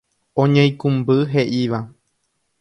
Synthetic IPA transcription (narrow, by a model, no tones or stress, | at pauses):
õɲẽj̃kũmbɨɦe̞ʔiʋa